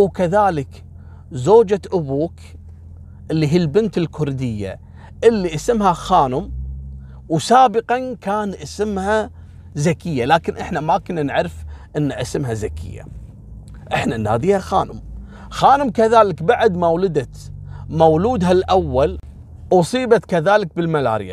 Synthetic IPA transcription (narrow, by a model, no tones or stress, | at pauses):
wkaðaːlɪk | zoːd͡ʒaʔʊbuːk | ʔɪlːiɦiːlbɪnt̪ɪlkʰʊɾd̪ɪjːa̰ | ʔɪlːiʔasɪmhaxaːnʊm | wsaːbɪqɑnkaːnʔasɪmha | zakɪjːalaːkɪnʔɪħnamakʊnːanʕɾɪfʔɪnːaʔasɪmɦazakʰɪ̰jːa̰ | ʔɪħnanːa̰ːd̪iːhaxaːnʊ̰m | xaːnʊmkaðaːlɪkbaʕd̪mawlɪd̪a | mawluːd̪ɦalʔawːal | ʔʊsˤiːbat̪kaðaːlɪk̚bɪlmala̰ːɾɪja̰